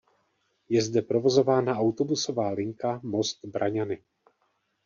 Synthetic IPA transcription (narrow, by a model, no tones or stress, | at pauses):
jɛzdɛpɾo̞vo̞zo̞vaːnaʔawt̪o̞buso̞vaːlɪŋkamo̞st̪bɾʔaɲanɪ